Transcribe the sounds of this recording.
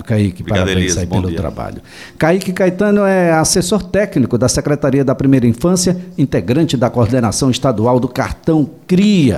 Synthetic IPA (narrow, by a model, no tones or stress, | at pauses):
kaikɪppaɾabẽj̃saipelʊt̪ɾa̰ba̰ʎʊ | kaikɪkajt̪ɐ̃nʊɛasesoɾt̪ɛknikʊd̪ɐsekɾet̪aɾiɐd̪ɐpɾimejɾɐĩfɐ̃sjɐĩnt̪eɡɾɐ̃t͡ʃɪd̪ɐkoɾd̪ena̰sɐ̃w̃ɪst̪ad̪uawd̪ʊka̰ɾt̪ɐ̃w̃kɾiɐ̰